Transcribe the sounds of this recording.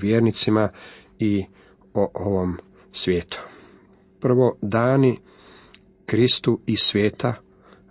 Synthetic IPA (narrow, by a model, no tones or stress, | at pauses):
ʋjeːɾnit̪sima | i | oʔoʋom | sʋjeːt̪ʰu̥ | pr̩ʋo̞d̪aːni | kɾist̪uisʋʲjeːt̪a